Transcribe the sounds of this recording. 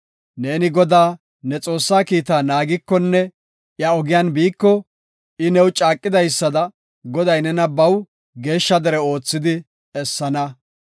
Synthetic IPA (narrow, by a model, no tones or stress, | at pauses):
ne̞ːnɪɡɔd̪aː | nɛt͡sʼo̞ːsːaːkiːt̪aːnaːɡɪkːɔnːɛ | ʔjɐɔɡɪjaːnbiːkːɔ | ɪnɛwt͡ʃʼaːkʼːɪd̪ɐjsːɐd̪ɐ | ɡɔd̪ɐjnɛnɐbɐw | ɡe̞ːʃːɐd̪ɛɾɛo̞ːt͡sːɪd̪ɪ | ɛsːɐnɐ